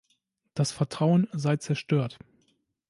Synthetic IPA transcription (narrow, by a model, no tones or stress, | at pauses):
d̥asfɛɐtʁ̥aʊənzaɪt͡sɛɐʃtøːɐt